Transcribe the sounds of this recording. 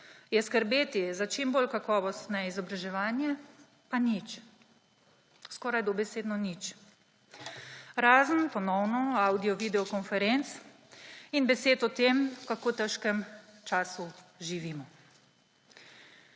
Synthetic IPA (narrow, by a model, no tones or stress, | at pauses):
jɛskəɾbeːt̪izat͡ʃimboːlkakɔːʋɔst̪nɛizɔbɾaʒɛʋaːnjɛ | panit͡ʃ | skɔːɾajd̪ɔbɛseːd̪nɔnit͡ʃ | ɾaːzənpɔnɔwnɔawd̪iɔʋid̪ɛɔkɔnfɛɾent̪s | inbɛseːt̪ɔt̪eːmkakoːt̪ɛʃkɛmt͡ʃaːsuʒiʋimɔ